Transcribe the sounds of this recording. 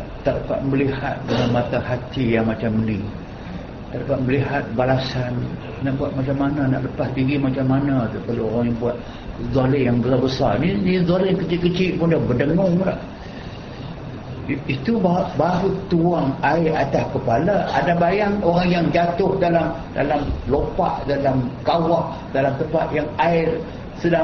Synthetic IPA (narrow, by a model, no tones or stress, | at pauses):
t̪ərkat̪̚mbəlihat̪̚dəŋanmãt̪ahat̪ijaŋmat͡ʃamːəni | t̪arkaʔ̪̚məliɦat̪̚balasan | naʔbuat̪̚mat͡ʃamːanana̰ʔləpasd̪iɡimat͡ʃamːanat̪ukalooɾaŋjaŋbuat̪̚ | zolɪjaŋbəsabəsarninizolɪjaŋkət͡ʃɪtʔ̚kət͡ʃɪʔ̚pʊndabədəŋɔŋla̰ʔ | it̪ubabaɾut̪uaŋaɪrat̪askəpalaa̰dabajaŋoɾaŋjaŋd͡ʒat̪ʊhdalam | da̰lamlopa̰ʔdalamkawaʔ | dalamt̪əmpat̪̚jaŋaɪr | səda